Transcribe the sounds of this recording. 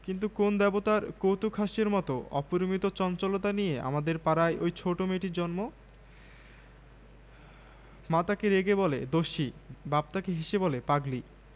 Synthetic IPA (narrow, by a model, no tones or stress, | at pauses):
kint̪̬ukond̪ɛbot̪aɾkowt̪ukʰaʃeɾmɔt̪oɔ̰puɾmit̪ot͡ɕɔnt͡ɕolot̪anijea̰mad̪eɾpaɾajʔojt͡ɕʰoʈomeʈid͡ʑɔnmo | mat̪akeɾeɡeboled̪oʃibab̚t̪akeɦiʃebolepaɡli